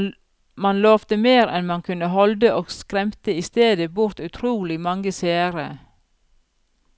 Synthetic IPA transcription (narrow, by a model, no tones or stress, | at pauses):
mɑnloːʋt̪əmeːɾɛnmɑnkʰʉnəhɔld̪əʔoːɡskɾɛmt̪əiːst̪eːd̪əbʊɾt̪ʉt̪ʰɾuːlɪmɑŋəseːəɾə